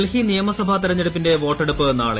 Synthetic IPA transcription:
lhinijɐmɐsɐbʱɐt̪iɾɐɲːeɽupːinde̞ʋo̞ːʈːeɽupːɨna̰ːɭḛ

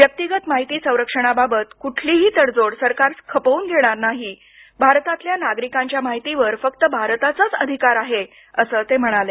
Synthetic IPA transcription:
ʋjək̚t̪iɡət̪maɦit̪iːsə̃w̃ɾəkʂəɽ̃ababət̪kuʈʰliːɦiːt̪əɽd͡zoɽsəɾkaɾskʰəpəuːnɡʱeɽ̃aɾnaɦi | bʱaɾt̪at̪ljanaɡɾikãɲt͡ɕjamaɦit̪iʋəɾfək̚t̪əbʱaɾt̪at͡sət͡səd̪ʱikaɾaɦe | əsəːt̪em̤əɽ̃ale

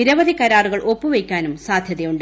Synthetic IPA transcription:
iɾɐʋɐðikɐɾaːruɣɐɭʔo̞pːuʋejkʲːaːnumsaːd̪ʱjɐðejuɳɖ

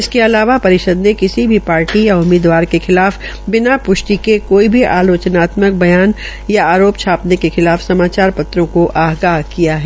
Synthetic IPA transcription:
ɪskeɐlaːʋapɐɾɪʃəd̪nekɪsibʱipaːɾʈijaʊmːiːd̪ʋaːɾkexɪlaːf | bɪnapʊʃʈikekoːibʱiʔaːloːt͡ʃnaːt̪mək̚bɐjaːn | jaaːɾoːpt͡ʃʰaːpnekexɪlaːfsɐmaːt͡ʃaːɾpɐt̪ɾõkoʔaːɦɡaːɦkijaɦɛː

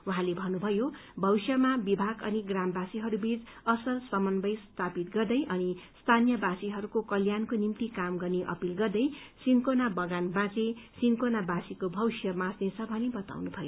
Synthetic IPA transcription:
wɦãlebʱʌnubʱʌjo | bʱʌwsjʌmabibʱaɡʌ̰niɡrambasiɦʌɾubʱid͡zʌsʌlswʌmʌnbʌjst̪ʰapit̪ɡʌrd̪ʌjʔʌnist̪ʰanjʌbasiɦʌɾukokʌljankonimt̪ikamɡʌrniʔʌ̰pilɡʌrd̪ʌjsinkonabʌɡanbãt͡sesinkonabasikobʱʌwsjʌmãsnet͡sʰʌbʱʌnibʌt̪a̰wnubʱʌjo

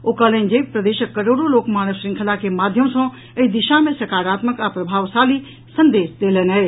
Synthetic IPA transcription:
okalənd͡ʒek̚pɾəd̪eːʃəkːəɾoːɽoloːkmaːnəsɾiŋkʰəlakemaːd̪ʱjəmsɔ̃ | əid̪iʃamẽsɐɾkaːɾaːt̪məkapɾɐbʱaːʋsali | sənd̪eːsd̪eːlənɦɛɪ

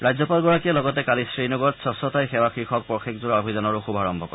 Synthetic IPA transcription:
ɹajzɔpalɡɔɹakiɛlɔɡɔtɛkalisɹinɔɡɔɹtsɔsɔtajxɛwakxɹixʰɔk̚pɔxekzuɹɔbʱizɔnɔɹʊxubʱaɹɔmbʱɔkɔɹ

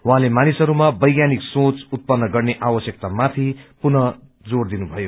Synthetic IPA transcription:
wuɦãlemanisʌɾumabʌjɡjaniksot͡sut̪̚pʌnːʌɡʌrneʔawʌsjʌkt̪amat̪ʰipunʌ | d͡zord̪inubʱʌjo

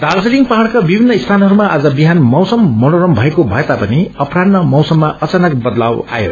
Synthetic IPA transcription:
d̪ard͡zeɾiŋpaɦaɭkabibʱinːʌist̪ʰanʌɾumaʔad͡zʌbiɦanmʌwsʌmːʌnoɾʌmbʱʌekobʱʌet̪apʌniʌprannʌmʌwsʌmːaʔʌt͡sanʌk̚bʌd̪lawa̰jo̰

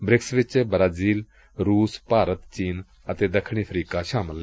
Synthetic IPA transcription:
bɾɪksʋɪt͡ʃːbɾaːziːl | ɾuːspaːɾət̪t͡ʃiːn | ət̪eːd̪əkʰːɽ̃ipʰɾiːkaːʃaːməl

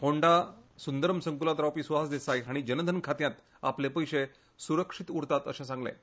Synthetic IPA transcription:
hoɳɖasund̪əɾmsəŋkulat̪ɾawpiːsʋɦasd̪esajɦaɽ̃id͡ʑənəd̪ʱənkʰat̪jãt̪ | a̰plepəjɕe | suɾəkʂit̪uɾt̪at̪ə̰ɕãsãŋɡlḛ

